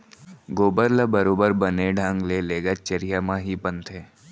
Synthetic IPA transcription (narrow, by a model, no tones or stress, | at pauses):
ɡoːbəɾləbəɾoːbəɾbəneɖʱãŋɡleleːɡət͡ʃəɾijamãɦipənt̪ʰɦeː